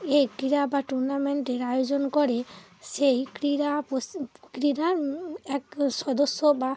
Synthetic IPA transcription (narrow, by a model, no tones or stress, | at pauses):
ejkɾiɾabaʈuɾnameɳʈeɾajod͡ʒɔnkɔɾɛ | sejkɾiɾapɔskɾiɾaɛksɔd̪ɔsːɔba